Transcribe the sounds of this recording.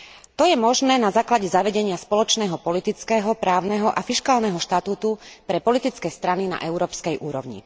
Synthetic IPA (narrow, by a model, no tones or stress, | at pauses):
t̪ɔjɛmɔʒnɛːnazaːklaɟɛzaʋɛɟɛɲɪaspɔlɔt͡ʃnɛːɦɔpɔlit̪it͡skɛːɦɔpɾaːʊnɛɦɔʔafiʃkaːlnɛɦɔʃt̪at̪uːt̪upɾɛpɔlit̪it͡skɛːst̪ɾanina̰ʔɛʊɾɔːpskɛjʔuːɾɔʊɲḭ